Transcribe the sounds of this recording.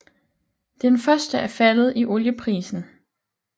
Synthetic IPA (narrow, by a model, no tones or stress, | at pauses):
d̥enfɶɐsd̥əʔæɐfælð̞̩ˠiʔo̝ljəpʰʁḭːsn̩